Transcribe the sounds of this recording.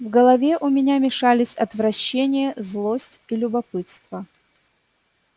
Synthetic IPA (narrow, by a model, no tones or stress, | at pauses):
vɡəlˠɐvʲeʔʊmʲɪnʲamʲɪʂalʲɪsʲɐt̪vɾɐɕːenʲɪjəzlˠosʲtʲilʲʊbɐpɨt̪st̪və